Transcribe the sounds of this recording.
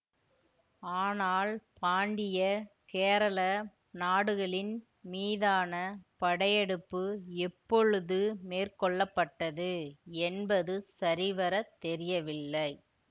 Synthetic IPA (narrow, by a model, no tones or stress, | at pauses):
aːnaːlpaːɳɖɪjɐkeːɾɐlɐ | naːɽɯɣɐɭɪn | miːðaːnɐpɐɽɐjɛɽɯpːɯɛpːɔɻɯðɯmeːrkɔɭːɐpːɐʈːɐðɯɛnbɐðɯsɐɾɪʋɐɾɐt̪ːɛɾɪjɐʋɪlːɐɪ